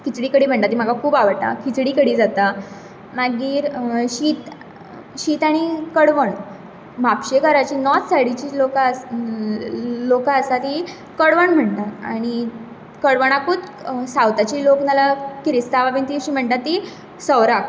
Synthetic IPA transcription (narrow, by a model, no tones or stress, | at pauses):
kit͡sɽiːkəɽiːm̤əɳʈ̪at̪ːim̤aɡakʰuːbaʋəʈ̪a̰kit͡sɽiːkəɽiːd͡zat̪a | naɡiːɾɕiːt̪ | ɕiːt̪aɽ̃ikəɽʋəɳ | mapɕekəɾat͡ɕiːnɔt̪saɽit͡ɕiːloka | lokaəsat̪i | kəɽʋəɳm̤əɳt̪aaɽ̃i | kəɽʋəɳ̃akut̪sawt̪at͡ɕiːloknalakɾist̪ababint̪iːɕiːm̤əɳt̪at̪ːi | səʋɾak